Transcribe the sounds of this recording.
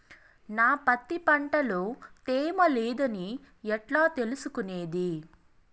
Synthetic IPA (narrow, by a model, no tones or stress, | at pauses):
naːpɐt̪ːipɐɳʈɐloːt̪eːmɐleːd̪ɐni | ɛʈlaːt̪e̞lusukuneːd̪i